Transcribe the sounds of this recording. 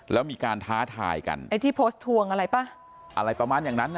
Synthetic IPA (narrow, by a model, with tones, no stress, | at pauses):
lɛː˦˥wmiː˧kaː˧nt̪ʰaː˦˥t̪ʰa̰ː˧jka̰˧na˧t̪ʰiː˥˩pʰoː˦˥st̪ʰːu˧əŋʔa˧ɾa˧jpa˥˩ | ʔa˧ɾa˧jpɾa˧maː˧njaː˨˩ŋna˦˥nː˧